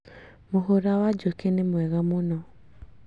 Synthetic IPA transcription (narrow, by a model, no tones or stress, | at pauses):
moɦoɾawad͡ʒokenemwɛɣamonɔ